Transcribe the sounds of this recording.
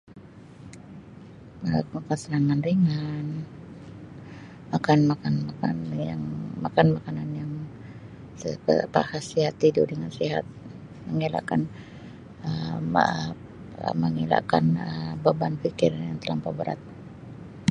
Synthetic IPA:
əmakansəɾaŋanriŋan | makanmakanmakanjaŋmakanmakananjaŋ | səkə̰pa̰hasiɦat̪ːidṵdəŋansiɦa̰t̪̚ | məŋila̰kan | ə | ə̰məŋila̰kanəbəbanfikɪrjaŋt̪əlampabəɾa̰t̪̚

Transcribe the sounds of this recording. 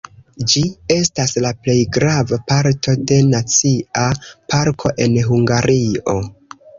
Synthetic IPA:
d͡ʒie̞staslaple̞jɡɾavapaɾtʰo̞de̞nat͡siapʰaɾkʰo̞ʔe̞nɦuŋɡaɾio̞

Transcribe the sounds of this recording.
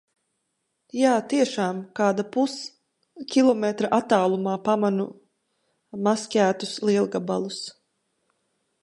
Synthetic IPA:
jaːt̪iɛʃaːmkaːd̪apus | kʲilˠɔmɛt̪ɾaʔat̪ːaːlˠumaːpamanu | maskʲæːt̪usliɛlˠɡabalˠus

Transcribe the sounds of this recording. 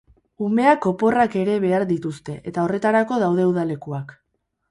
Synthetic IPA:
ume̞ako̞po̞rake̞ɾe̞βe̞aɾd̪it̪ust̪e̞ʔet̪ao̞re̞t̪aɾako̞ð̞awðe̞wðale̞kuak

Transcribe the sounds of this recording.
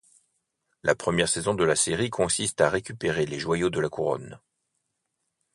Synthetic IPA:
lʔa̰pχəmjɛʁsɛzɔ̃d̪əlaseʁikʰɔ̃sist̪aʁekʲypeʁeleʒwajod̪əlakuʁɔ̰n

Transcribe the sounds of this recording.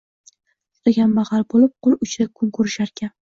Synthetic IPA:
eɡʲanbaʁɑlˠbolɪp̚qʰʊlˠʊt͡ʃɾakʰʊnkʰɵɾɪʃaɾkʲʰan

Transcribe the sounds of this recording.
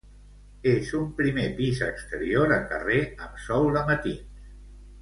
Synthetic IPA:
ezumpɾimepizə̰kst̪əɾioɾəkə̰reəmsɔwləmət̪ins

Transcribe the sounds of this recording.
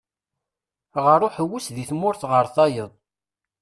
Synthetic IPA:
ʁəɾˤoħəwusðiθmʊɾθʁəɾθɑjəðˤ

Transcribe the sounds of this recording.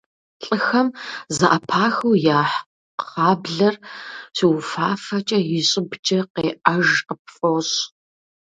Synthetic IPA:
ɬʼɨxɐmzɐʔɐpʰaːxɐwjaːħ | ɑːbɮɐrsiwfaːfɐt͡ʃʼɐjɪɕʼɪbt͡ʃʼɐqeːʔɐʒqəp̚fʼoɕ

